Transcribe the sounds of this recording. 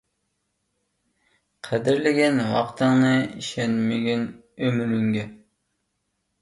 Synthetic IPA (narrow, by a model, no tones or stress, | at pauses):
qʰɛd̪ɪɾlɪɡʲɛnwɑ̰qt̪ʰɨŋnɨiʃɛnmeɡʲyn | ømyɾyŋɡʲɛ